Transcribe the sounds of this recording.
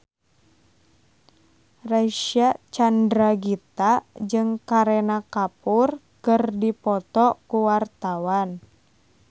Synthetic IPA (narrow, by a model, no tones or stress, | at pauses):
raʃiat͡ʃandɾaɡit̪ad͡ʒɨŋkaɾɛnakapur | kɨrdipɔt̪ɔkuwart̪awan